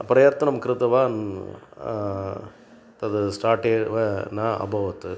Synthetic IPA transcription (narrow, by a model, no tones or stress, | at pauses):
ɐpɐɾɐjaɾt̪ːɐnɐmɐkːɪɾɐt̪ːɐʋaːn | t̪ɐðɯsʈaːɾʈeːʋenaːɐ̰bʱɐʋɐt̪ːɯ